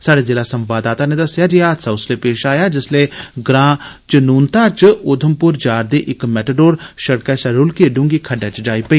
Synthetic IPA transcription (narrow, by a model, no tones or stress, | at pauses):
saːɽeːzeːlaːsəmʋaːd̪aːt̪aːneːd̪əsjaːd͡ʒiːaːt̪saːʊsleːpeːʃaːjaːd͡ʒɪsleːɡɾãː | t͡ʃnuːnt̪aːt͡ʃʊd̪ʰʱəmpʊɾd͡ʒaːɾd̪eːʔɪkmɛːʈəɖoːɾʃəɽkɛːsɛɾʊlkeːɖʊ̃ŋɡiːkʰəɖɛːt͡ʃd͡ʒaːiːpəiː